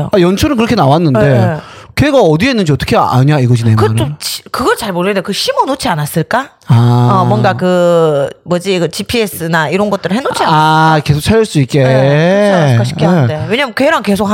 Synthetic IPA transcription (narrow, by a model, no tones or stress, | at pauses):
oajʌnt͡ɕʰoɾɯnkɯɾʌkʰe̞nawanːɯnde̞ | keɡaʌdienːɯnd͡ʑʰiʌt͈ʌkʰea̰ɲaiɡʌɕʰinemɯanot͡ɕkɯɡʌɭt͡ɕaɭmoɾɯedeokɯɕʰimʌnot͡ɕʰianas͈ɯɭk͈a | aʌmwʌnɡakɯ | mʌd͡ʑiɡʌt͡ɕipʰies͈ɯnaiɾʌnɡʌt͈ɯɾɯɭhɦenot͡ɕʰiaake̞sʰok̚t͡ɕʰaʎjʌɭs͈uik͈e | kaɕɕi̥k͈ʰːiandewe̞ɲamɯnkweɾanke̞sʰok̚h